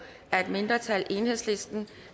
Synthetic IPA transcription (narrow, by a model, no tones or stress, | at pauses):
æɐe̝d̥me̝nd̥ʁɐt͡sʰælʔe̝ːnhe̝̰sle̝sd̥n̩